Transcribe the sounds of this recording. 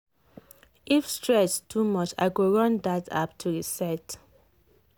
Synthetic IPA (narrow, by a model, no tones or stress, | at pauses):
ʔifstɹɛstʰumɔt͡ʃa̰ɪɡoɹʌ̃ndatʰa̰p̚tʰuisɛt